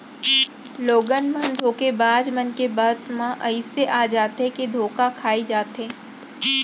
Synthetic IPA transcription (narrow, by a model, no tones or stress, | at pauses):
loːɡənmə̃nd̪ʱoːkebaːd͡ʒmənkebaːd̪mãʔɐɪseʔaːd͡ʒaːt̪ɦeked̪ʱoːkakʰaːid͡ʒaːt̪ɦẽː